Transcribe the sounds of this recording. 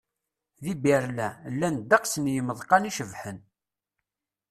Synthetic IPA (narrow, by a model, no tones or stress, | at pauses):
ðibiɾlælːænd̪ɑqsənjəməðˤqɑniʃəvħən